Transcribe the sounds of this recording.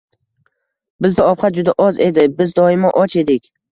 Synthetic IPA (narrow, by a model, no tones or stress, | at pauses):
bɪzd̪aɒpχat̪̚d͡ʒʊd̪aʔɒze̞d̪ɪbɪzd̪ɒɪmaʔɒt͡ʃe̞d̪ɪkʲ